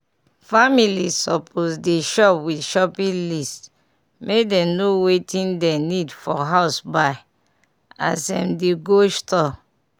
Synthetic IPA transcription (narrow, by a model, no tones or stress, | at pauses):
familisɔpʰosdeʃɔpwidʃɔpĩlist | mʔekdɛ̃nowetʰĩndɛnidfɔɦaʊsbaɪ | a̰sɛ̰̃mdeɡostɔ